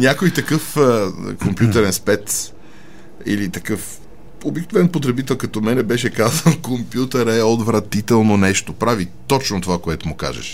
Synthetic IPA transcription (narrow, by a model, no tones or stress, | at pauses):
nʲjakojt̪ɐkɤfəkompjut̪əɾɛnspɛt̪ | ḭlit̪ɐkɤf | obik̚novɛnpot̪ɾɛbit̪ɛlˠkɐt̪ɔmɛnɛbɛʃɛkazənkompjut̪əɾɛod̪vɾɐt̪it̪ɛlˠnonɛʃt̪opɾavit̪ɔt͡ʃnot̪ovakoɛt̪omʊka̰ʒɛ̰ʃ